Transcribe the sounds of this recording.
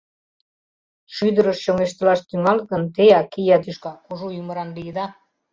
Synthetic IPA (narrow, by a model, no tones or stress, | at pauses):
ʃyd̪əɾəʃɕoŋeʃt̪ə̆lɑʃt̪yŋɑlɣənt̪eɑkijɑt̪yʃkɑkuʒujymə̆ɾɑnlijəd̪ɑ